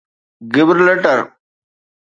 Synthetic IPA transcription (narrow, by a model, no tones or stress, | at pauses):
ɡɪbɾleʈəɾ